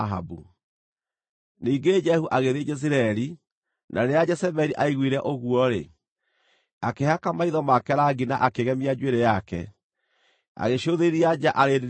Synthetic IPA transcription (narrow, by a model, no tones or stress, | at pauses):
ɦa̰bṵ | niːɡed͡ʒɛhuʔaɣeðed͡ʒɛs̬iɾaɛɾi | nʔaɾead͡ʒɛsɛβɛɾiʔaiɣwiɾɛʔoɣwɔɾe | akeɦakamaiðɔmakɛɾaɡinaʔakeɣɛmiad͡ʒweɾejakɛ̰ | a̰ɣeʃoðeɾiad͡ʒaʔaɾeɾ